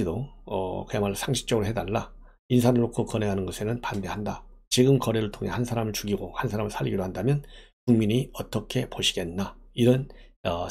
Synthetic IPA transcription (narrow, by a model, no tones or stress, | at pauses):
idoʌ̰kɯemaɭːosʰaŋɕʰi̥k̚t͡ɕ͈ʌɡɯɾoɦe̞daɭːa | insʰanɯɭːokʰokʌne̞ɦanɯnɡʌsʰe̞nɯnpande̞ɦandat͡ɕiɡɯmkʌɾeɾɯɭtʰoŋɦe̞hansʰaɾamɯɭt͡ɕuɡiɡohansʰaɾamɯɭsʰaʎːiɡidohandamjʌnkuŋmiɲiʌt͈ʌkʰe̞poɕʰiɡe̞nːaiɾʌnʌ